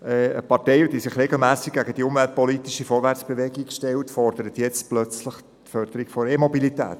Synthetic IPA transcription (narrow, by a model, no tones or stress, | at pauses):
ɛəpɑrteɪd̥iːsɪχɾeɡl̩mæːsɪk̚ɡ̥æɡəd̥iʊmvælt̚pɔlitiʃəfɔːɾvæɾt͡sb̥evɛɡikʃtɛltfɔɾd̥əɾətjɛt͡stplœt͡sləχ | tfœɾd̥̪əɾiɡfɔɾemɔbilitɛ̰ːt